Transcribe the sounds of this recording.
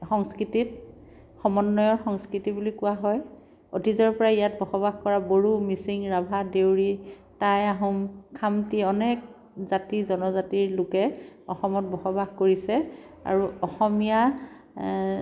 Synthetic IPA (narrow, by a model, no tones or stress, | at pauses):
xɔŋskɹitit̚ | xɔmɔnːɔjɔɹxɔŋskɹitibulikʊwaɦɔj | otizɔɹpɔɹaijat̚bʱɔxɔbaɡkɔɹaboɹumisiŋɹabʱadewɹi | tajaɦũmkʰamtiɔnɛk̚ | zatizɔnɔzatiɹlʊkɛɔxɔmɔt̚bɔxɔbaɡkoɹisɛa̰ɹuɔxɔmija